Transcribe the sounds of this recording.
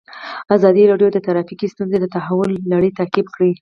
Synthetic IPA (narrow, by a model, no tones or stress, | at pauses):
azɑd̪iɾɑɖjod̪ət̪aɾɑfikist̪unzed̪ət̪aɦawʊlːaɽit̪akibxɽi